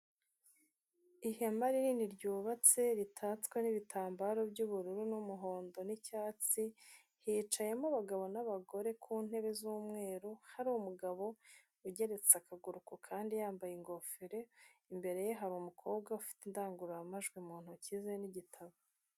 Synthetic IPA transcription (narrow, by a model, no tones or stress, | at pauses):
iheamaɾiniːniɾɟuːβat͡se̞ɾitʰaːt͡skweniβitʰaːmbaɾo̞bɟuβuɾuɾunumuɦo̞ːndo̞nicaːt͡si | hiːt͡ʃaje̞muβaɡaβo̞naβaɡo̞ɾe̞kʰuːn̥he̞βe̞zuːmŋe̞ːɾuhaɾuumuɡaβo̞ | uɟe̞ɾe̞t͡sakaɡuɾukokʰaːndijaːmbajiŋɡo̞fiɾe̞imbe̞ɾe̞jeɦaɾumukʰo̞ːbɡaufi̥tendaːŋɡuɾaamaʒɡwimuːn̥hucizeniɟitʰaβo